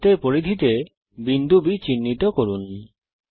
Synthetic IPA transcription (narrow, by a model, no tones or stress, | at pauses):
t̪eɾpoɾid̪ʱit̪e | bind̪ʱubit͡ɕinːit̪okoɾun